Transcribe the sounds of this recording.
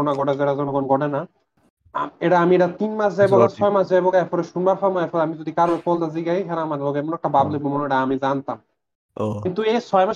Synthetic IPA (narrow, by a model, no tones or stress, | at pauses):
onaɡɔɖazeʈazɔnɔɡɔnɡɔɖana | eʈaamieʈat̪inmasʰd͡zajbɔɡat͡sʰɔjmasʰd͡zajbɔɡaɛfʰɔɾeʃunbaɾpʰamɔɛɾfʰɔɾeamizod̪ikaɾbapɔld̪aziɡaiɦɛɾaamaɾlɔɡeɛmɔnɛkʈabablobɔmɔneʈaamid͡zant̪am | kint̪uesʰɔjma